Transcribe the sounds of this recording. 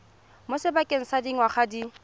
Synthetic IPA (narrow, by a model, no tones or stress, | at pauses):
mʊsɪbakʼɪŋ̩sadiŋ̩waχadi